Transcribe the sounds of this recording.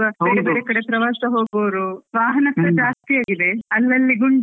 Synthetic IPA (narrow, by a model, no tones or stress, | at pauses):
ɐɐeɽebɽekɐɽepɾɐʋaːsɐɦoːɡɐʋɾuʋaːɦɐnɐkɐɾɐd͡ʒaːst̪iaːɡid̪e̞ɐlːɐlːiɡuɳɖ